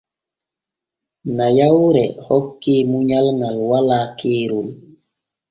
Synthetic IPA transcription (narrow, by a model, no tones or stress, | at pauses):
najawɾɛhɔkːimuɲalŋalwalakʰiːɾul